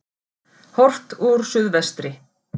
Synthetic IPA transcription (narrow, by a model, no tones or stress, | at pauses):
hɔr̥ft̪uɾ̥sʏðvɛst̪ɾɪ